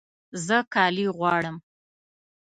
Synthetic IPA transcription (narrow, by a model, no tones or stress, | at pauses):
zəkɑliɣwɑɽəm